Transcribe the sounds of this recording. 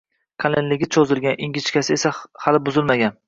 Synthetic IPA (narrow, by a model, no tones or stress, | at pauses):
kʰalenlɪɡʲɪt͡ʃʰɒzɪlɡʲanɪŋɡʲɪt͡ʃkʲasɪesahalɪbʊzɪlmaɡʲan